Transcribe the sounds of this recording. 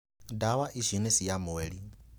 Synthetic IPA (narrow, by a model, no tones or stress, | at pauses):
dawaʔiʃʷinɛsijamɔeːɺi